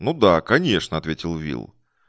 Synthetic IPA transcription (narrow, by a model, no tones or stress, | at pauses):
nud̪akɐnʲeʂnəɐt̪vʲetʲɪlˠvʲḭlˠ